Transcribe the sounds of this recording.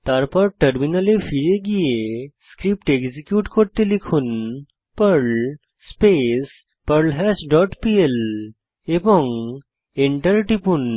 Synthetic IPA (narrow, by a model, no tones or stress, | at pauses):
t̪aɾpɔɾʈəɾminalefiɾeɡijeskɾip̚ʈeɡd͡ʑikjuʈkɔɾt̪elikʰuːn | pəɾl | spes | pəɾlɦɛsɖɔʈpiel | ebɔŋ | eɳʈəɾʈipuːn